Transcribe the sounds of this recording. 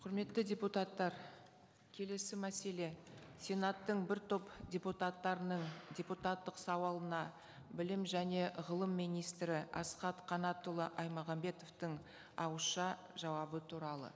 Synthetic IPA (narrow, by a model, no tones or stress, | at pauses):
qʰʊɾme̞t̪ːɪdʲe̞put̪ɑt̪ːɑɾ | kʲʰe̞le̞sɪmæse̞le̞sʲe̞nat̪ːəɴbɪɾt̪ʰo̞pdʲe̞put̪at̪ːɑɾənəɴdʲe̞put̪at̪ːəqsɑwɑlˠənɑ | bɪlɪmʒæne̞ʁəlˠəmːijnijst̪ɾɪʔɑ̰sqɑt̪qʰɑnɑt̪ʊlˠəʔɑjmɑʁɑmbe̞t̪o̞ft̪ɪŋ | ɑwəʃɑ | ʒɑwɑbət̪ʰuɾɑlˠə̰